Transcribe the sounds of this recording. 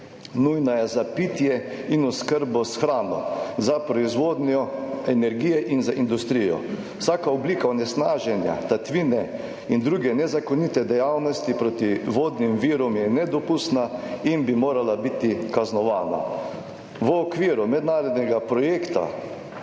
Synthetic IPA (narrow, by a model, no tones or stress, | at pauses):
nujnajɛzapit̪jɛ | inɔskəɾbɔsxɾaːnɔ̰zapɾɔizʋoːd̪njɔɛnɛɾɡiːjɛʔinzaʔind̪ust̪ɾijɔ̰ | wsaːkaɔbliːkaɔnɛsnaːʒɛnja̰t̪at̪ʋiːnɛ | ind̪ɾuɡɛnɛzakɔnit̪ɛd̪ɛjawnɔst̪ipɾoːt̪iʋoːd̪nimʋiːɾɔmjɛnɛd̪ɔpust̪nainbimoːɾalabit̪ikaznɔʋaːna̰ | ʋəɔkʋiːɾumɛd̪naːɾɔd̪nɛɡapɾɔjeːkt̪a̰